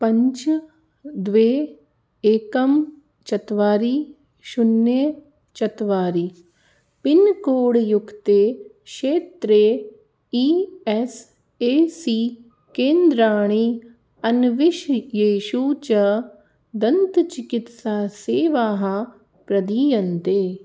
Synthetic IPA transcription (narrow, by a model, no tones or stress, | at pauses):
pɐ̃ɲt͡ʃ | d̪ʋeː | eːkɐm | t͡ʃɐt̪ʋaːɾiː | ʃʊnjə | t͡ʃɐt̪ʋaːɾiː | pɪnkoːɽjʊkt̪eːkʃeːt̪ɾeː | iːɛs | eːsiː | kẽːnd̪ɾaːɽ̃i | ɐnʋɪʃjeːʃuːt͡ʃɐ | d̪ɐnt̪t͡ʃɪkɪt̪saːseːʋaːɦa | pɾɐd̪iːjɐnt̪eː